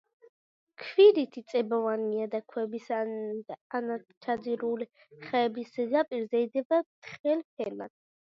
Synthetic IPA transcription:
kʰviɾit̪ʰit̪sʼɛbɔvaniad̪akʰwɛbis | anat͡ʃʰad̪ziɾuli | χɛːbisɛɡapʼiɾzɛid̪ɛbat̪ʰχɛlpʰɛla̰d̪

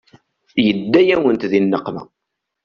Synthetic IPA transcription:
jəd̪ːæjæwənt̪ðinːəqːmæ̰

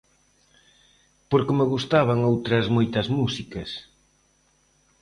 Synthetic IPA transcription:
poɾkɪmeɣ̞ust̪aβaŋowt̪ɾɐzmojt̪ɐzmusikɐs

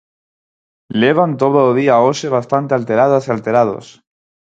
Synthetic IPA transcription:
leβ̞ant̪oðoːðiaoseβast̪ant̪ealt̪e̞ɾaðasialt̪e̞ɾað̞o̞̰s

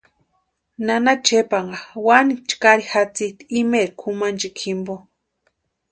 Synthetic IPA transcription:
nanat͡ʃepaŋɢawanit͡ʃkaɾixat͡sit̪iimeɾikʰumant͡ʃikʰimbo

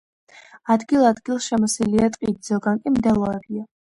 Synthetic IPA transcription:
ad̪ɡilˠad̪ɡilˠʃɛmɔsiliat̪ʼqʼid̪zɔɡaŋkʼimd̪ɛlˠɔɾɛbia

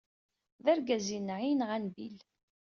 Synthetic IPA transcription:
ðæɾɡæzinʕinʁænbil

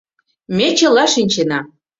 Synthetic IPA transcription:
mʲet͡ɕə̆lɑʃinʲt͡ɕenɑ

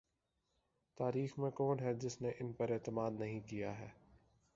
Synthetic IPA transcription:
t̪aːɾiːxmẽkɔːnɦɛːd͡ʒɪsneʔɪnpɐɾɛːt̪əmaːd̪nɐɦĩkijaːɦɛː

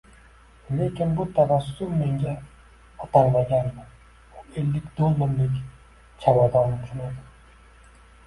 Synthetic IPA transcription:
le̞kʲɪnbʊt̪ʰavasːʊmːe̞ŋɡʲa | ɒt̪ʰaŋlˠaɡʲanman | ʊe̞lːɪkʲd̪olˠːɪmlɪkʲ | t͡ʃʰawad̪ɒnɪt͡ʃʰʊnad̪ɪ

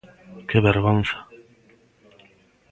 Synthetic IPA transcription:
keβeɾɣonθḁ

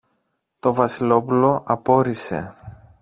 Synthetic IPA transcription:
t̪o̞vɐsilo̞pulo̞ɐpo̞ɾise̞̰

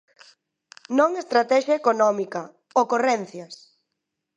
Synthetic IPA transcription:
nõŋest̪ɾat̪ɛʃɐekonɔmikɐ | okorɛn̟θjɐs

